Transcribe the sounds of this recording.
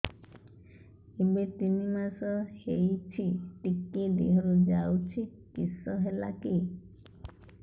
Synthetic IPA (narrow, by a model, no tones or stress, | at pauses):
ebet̪inimasɔʃejt͡ʃʰiʈikːid̪ḛɦɔɾud͡ʒawt͡ʃʰi | kisɔɦela̰ki